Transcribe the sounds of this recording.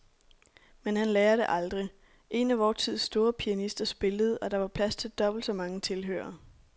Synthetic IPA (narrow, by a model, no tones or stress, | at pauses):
menɦænlɛːɐɾ̥e̝ʔɑ̈ld̥ʁi | ʔe̝næʋɒːt͡sʰið̰ˠsd̥o̝ːɐpʰiænisd̥ɐsb̥e̝ləð̞̩ˠɒ̽ɾ̥ɑ̈ʋɑ̈pʰlæst͡sʰe̝ld̥ɒ̽b̥l̩d̥sɒ̽mɑ̈ŋət͡sʰe̝lɦø̰ːɐ